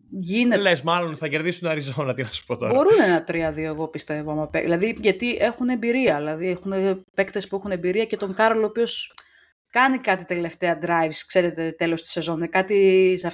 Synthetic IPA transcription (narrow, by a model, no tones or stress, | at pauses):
ʝinelesmɐlo̞nθɐce̞ɾðisunɐɾizonɐt̪inɐsu̥pot̪obo̞ɾunenɐt̪ɾiɐðio̞eɣo̞pist̪evoɐmɐpeilɐðiʝɐt̪iʔe̞xune̞mbiɾiɐðilɐðiexunepe̞kt̪espue̞xune̞mbiɾiɐce̞t̪o̞ŋkɐɾoloːpio̞s | kɐnikɐt̪it̪ele̞ft̪e̞ɐd̪ɾɐjvskse̞ɾet̪e̞t̪e̞lo̞st̪i̥se̞zo̞nekɐt̪isɐf